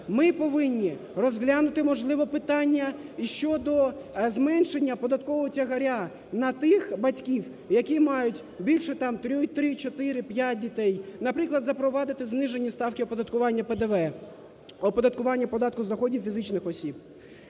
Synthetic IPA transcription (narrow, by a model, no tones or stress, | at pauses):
mɪpɔʋɪnʲːi | rɔzɦlʲanʊt̪ɪmɔʒlˠɪʋɔpɪt̪ɑnʲːɐiʃt͡ʃɔd̪ɔzmɛnʃenʲːɐpɔd̪ɐt̪̚kɔʋɔɔtʲɐɦɐɾʲa | nɐt̪ɪxbɐtʲkʲiw | jɐkʲimɑjʊtʲ | bʲilʲʃɛt̪ɑmt̪ɾʲɔt̪ɾɪt͡ʃɔt̪ɪɾɪpʲjat̚ʲdʲit̪ɛjnɐpɾɪklˠɐd̪zɐpɾɔʋɑd̪ɪt̪ɪznɪʒenʲːist̪ɑwkʲɪɔpɔd̪ɐt̪kʊʋɑnʲːɐped̪eʋɛ | ɔpɔd̪ɐt̪kʊʋɑnʲːɐpɔd̪ɑt̪kʊznɐxɔdʲiwfʲizɪt͡ʃnɪxɔsʲib